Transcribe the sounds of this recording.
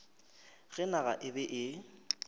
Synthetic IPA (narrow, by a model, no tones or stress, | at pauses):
ɣɛnaɣa̰ʔɪbɛʔɪ